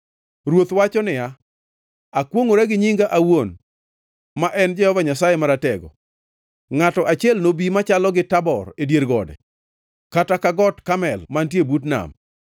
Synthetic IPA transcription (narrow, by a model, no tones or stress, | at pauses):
ɾwot̪wat͡ʃɔnɪja | akwoŋoɾaɡɪɲiŋɡaʔawon | maʔɛnd͡ʒɛhɔvaɲasajɛmaɾatɛɡɔ̰ | ŋatɔʔat͡ʃɪɛlnobimat͡ʃalɔɡɪtabɔ̰redjeɾɡɔ̰dɛ̰ | katakaɡɔtkamɛlmantjebutna̰m